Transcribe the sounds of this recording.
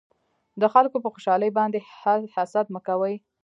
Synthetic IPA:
d̪əxalkopəxoʃɑləjbɑnd̪ehahasat̪məkawəj

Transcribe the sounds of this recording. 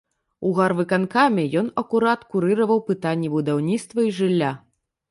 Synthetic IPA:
uɣarvɨkankamʲɛjɔnɐkuɾat̪kuɾɨɾɐvɐwpɨt̪anʲːɛbud̪awnʲit̪st̪vɐiʐɨlʲːa

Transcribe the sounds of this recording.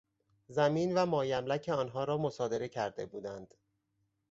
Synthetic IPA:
zæmiːnvæmɒːjæmlæcʰe̞ɒːnɦɒːɾɒːmosɒːd̪e̞ɾe̞cʰæɾd̪e̞̰buːd̪ænd̪̥

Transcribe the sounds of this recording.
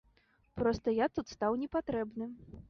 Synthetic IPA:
pɾɔst̪ɐjat̪ut̪st̪awnʲɛpat̪ɾɛbnɨ

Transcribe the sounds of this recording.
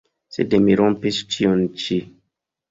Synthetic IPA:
sḛdemiɾompist͡ʃiont͡ʃi

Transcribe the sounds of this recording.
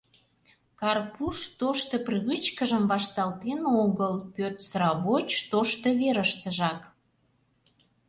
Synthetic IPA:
kɑrpuʃt̪oʃt̪ə̆prɨβɨt͡ɕkəʒəmbɑʃt̪ɑlt̪enoɣəlpørt̪sɾɑβot͡ɕt̪oʃt̪ə̆βeɾəʃt̪əʒɑk

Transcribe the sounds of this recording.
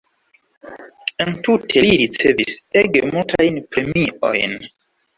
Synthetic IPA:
entutʰe̞liɾit͡se̞viseɡemultʰajnpɾe̞miʔo̰jn

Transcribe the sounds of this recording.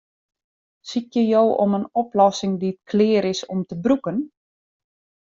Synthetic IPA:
sitjəjowʔɔ̰mənɔplɔsɪŋdiət̚kʰlɪːəɾɪsɔmtəbrukən

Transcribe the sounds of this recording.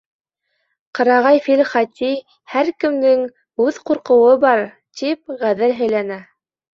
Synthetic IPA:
qɤ̆ɾɑʁɑjfilχɑt̪ʲi | hæɾkɘ̆md̪ɘŋ | ʉðquɾqɤ̆wɤbɑɾ | t̪ip̚ʁæðɘlɦɘ̆jlænæ

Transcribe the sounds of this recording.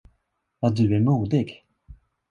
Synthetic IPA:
jɑd̪ɵæɾmuːd̪ɪɡ

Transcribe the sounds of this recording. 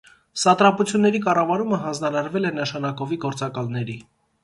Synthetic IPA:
sɑt̪ɾɑput͡sʰjunːɛɾikɑrɑvɑɾuməɦɑnd͡znɑɾɑɾvɛlɛnəʃɑnɑkɔviɡɔɾt͡sɑkɑlnɛɾi

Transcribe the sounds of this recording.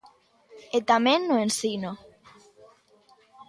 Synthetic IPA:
et̪amẽnːoensino

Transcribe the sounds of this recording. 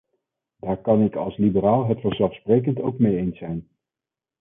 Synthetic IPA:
daːɹkɑnɪkɑ̰lˠslibəɾaːlˠɦətfəɹzɛlˠfsprejk̬əntowkmejejnsɛjn

